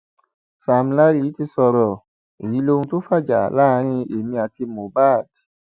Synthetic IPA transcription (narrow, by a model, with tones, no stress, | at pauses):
sa˨m̩˧la˧˦ɾi˦˨i˨˦ti˧sɔ˧ɾɔ˨ | e˨jĩ˨˦lo˦ũ˧to˦fa˦˨d͡ʒa̰˨laː˦˧˦ɾ̃ĩ˧˦e˨mĩ˧a˨ti˧mõ˨˦ba˦˨d̥